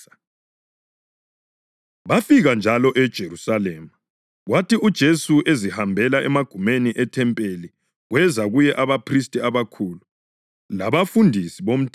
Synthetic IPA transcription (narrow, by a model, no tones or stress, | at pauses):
βafiɣand͡ʒʱalɔʔɛd̥ʒ̥ʱeɾusalɛːma | ɣwatiud̥ʒ̥ʱesuʔezihambʱɛlaʔɛmaɡ̥ʱumeniʔɛtʰɛmpʼeli | ɣwɛzaɣujɛʔaβapʰris̬tʼiaβakʰulu | laβafundʱisiβom̩tʰʼ